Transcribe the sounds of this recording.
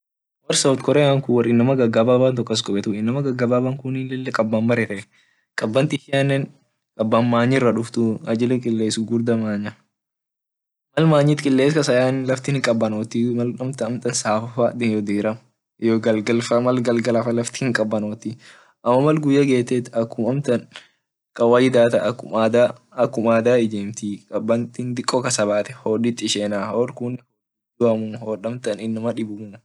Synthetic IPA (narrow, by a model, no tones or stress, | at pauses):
wɐɾsɐwt̪kɔɾɛjaŋkʊwɐrɪnːɐmɐɡɐɡːɐbaːbɐnt̪ɔkʼːɐs̬kʼɔbɛt̪ʊɪnːɐmɐɡɐɡɐbabaŋkʊnilɛlːɛkʼɐbːaːmmɐɾɛt̪ɛ | kʼɐbːɐnt̪ɪʃɪɐnːɛn | kʼɐbːanmaːɲːɪrːɐᶑʊft̪ʊɐd͡ʒɪlɛkʼɪlːeːsʊɡʊɾd̪ɐmaːɲɐ | mɐlmaːɲːiːt̪kʼɪlːeːskɐsɐjaːnlɐft̪ɪhɪŋkʼɐbːɐnoːt̪ɪmɐlɐmt̪ɐɐmt̪ʼɐnsaːfɐfad̪ɪnjɔd̪eːɾɐm | jɔɡɐlɡɐlfɐmɐlɡɐlɡɐlɐfɐlɐft̪ɪ̥hɪŋkʼɐbːɐnoːt̪ɪ | ʔɐmːɐmɐlɡʊjːɐɡe̞ːt̪ːɛt̪ːɐkːʊmɐmt̪ɐn | kʼɐwɐjɪd̪aːt̪ɐʔɐkːʊad̪a | ɐkːʊmaːd̪aːɪd͡ʒeːmt̪ikʼɐbːɐnt̪ind̪ɪkʼːɔkɐsɐbaːt̪ɛ̥hoːᶑit̪ʼːɪʃeːnaːhoɾkʊnɪho | id̪ʊʔɐmʊmhoːᶑɐmt̪ɐnɪnːɐmɐᶑɪbʊmnɐ